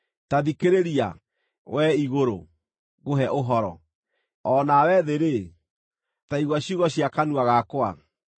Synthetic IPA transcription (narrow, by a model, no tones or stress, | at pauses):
taðikeɾeɾia̰ | wʔɛiɣoɾo̰ | ɣoɦɛʔoɦɔɾɔ̰ | ɔːnawɛðeɾe | taiɣwaɕuɣɔɕiakanuaɣakwa̰